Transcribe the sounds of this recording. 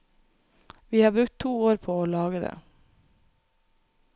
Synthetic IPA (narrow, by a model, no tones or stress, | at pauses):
ʋiːhɑːɾbɾʉk̚t̪ʰːuːoːɾpʰoːoːlɑːɡəd̪ḛː